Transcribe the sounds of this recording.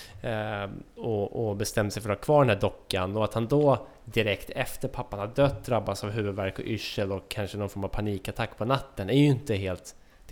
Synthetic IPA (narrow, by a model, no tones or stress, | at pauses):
ɔɔbɛst̪ɛmːəsɛjfœɾhɑkʰvɑːɖɛnhæːɖɔkːanɔat̪hand̪ɔ | d̪ɪɾɛkt̪ʰɛft̪əɾpʰapːanhad̪œt̪̚ːd̪ɾabːasavɦʉ̟ːvɵd̪væɾkɔ̰ʔʏʂːəlɔkʰːanʂənɔnfɔɾmavpʰaniːkat̪ʰakːpʰɔnat̪ːənæɾjɵɪnt̪əɦeːlt̪